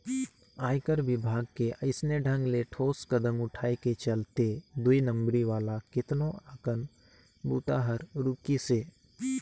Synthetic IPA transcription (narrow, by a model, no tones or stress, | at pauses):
aːjkəɾʋɪbʱaːɡkeʔɐɪsneɖʱə̃ŋɡleʈʰoːskəd̪ə̃mʊʈʰaːeket͡ʃɐlt̪ed̪ʊinə̃mbɾiʋaːlakɪt̪noakən | buːt̪aːɦəɾɾʊːkiseː